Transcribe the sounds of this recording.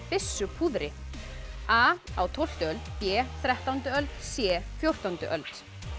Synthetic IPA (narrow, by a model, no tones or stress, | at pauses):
fɪsːʏpʰuðɾɪ | aːa̰wt̪ʰɔwl̥t̪œlpjɛːθɾɛht̪awnt̪ʏœlt̪sjɛːfjowr̥t̪ant̪ʏ̰ʔœlt̪